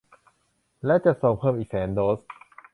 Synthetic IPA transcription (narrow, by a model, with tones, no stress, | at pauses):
lɛ˦˥wt͡ɕa˨˩ʔso˨˩ŋpʰɤː˥˩mʔiː˨˩k̚sɛː˩˦ndoː˦˥s